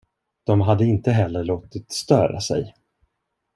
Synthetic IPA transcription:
d̪̥ɔmɦad̪ːəɪnt̪əɦɛlːəɭoːt̪ɪt̪st̪œːɾa̰sɛ̰j

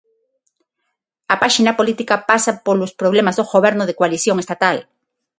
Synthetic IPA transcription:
apaʃinapolit̪ikapasapolospɾoβlemazðoɣoβ̞ɛɾnʊðekwaliθjoŋest̪at̪al

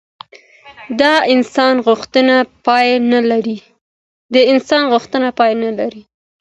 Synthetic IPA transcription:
d̪ɑɪnsɑnɣʊxt̪ənapɑjnalaɾi | d̪əɪnsɑnɣʊxt̪ənapɑjnalaɾi

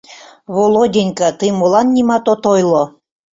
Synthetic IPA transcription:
βolˠodʲenʲkət̪ɨmolˠɑnːʲimɑt̪ot̪ojlˠo

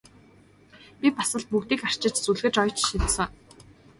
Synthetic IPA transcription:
pʲipasə̆ɮt̪̚pukt̪iːkar̥t͡ɕɪ̆t͡ɕt͡suɮɣɘ̆t͡ɕɔjt͡ɕʃisə̆ŋ

